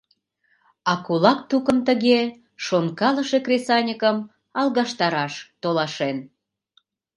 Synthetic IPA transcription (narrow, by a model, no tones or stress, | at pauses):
ɑkulɑk̚t̪ukəmt̪əɣe | ʃonkɑləʃekrʲesɑnʲəkəm | ɑlˠɣɑʃt̪ɑɾɑʃt̪olɑʃen